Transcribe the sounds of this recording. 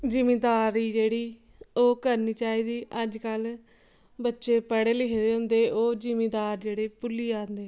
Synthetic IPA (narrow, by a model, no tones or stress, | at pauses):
d͡ʒɪmẽːd̪aːɾiːd͡ʒeːɽiː | oːkəɾniːt͡ʃaːiːd̪iːʔəd͡ʒkəl | bətːʃeːpəɽeːlɪɦd̪eːɦʊnd̪eːʔoːd͡ʒɪmeːd̪aːɾd͡ʒeːɽeːpʊliːaːnd̪eː